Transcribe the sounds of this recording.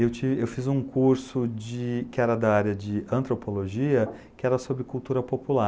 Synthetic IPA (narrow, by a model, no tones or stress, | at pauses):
ewt͡ʃivɪewfizũkuɾsʊd͡ʒɪkɪɛɾɐd̪ɐaɾjɐd͡ʒɪɐ̃nt̪ɾopoloʒiɐ | kɪɛɾɐsobɾɪkuwt̪uɾɐpopula